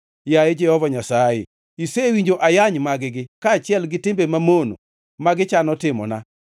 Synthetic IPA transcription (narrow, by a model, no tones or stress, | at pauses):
jajed͡ʒɛhɔvaɲasajḛ | isewiɲd͡ʒoʔajaɲmaɡɪɡɪkaːt͡ʃɪɛlɡɪtɪmbemamono̰ | maɡɪt͡ʃanɔtɪmɔ̰na̰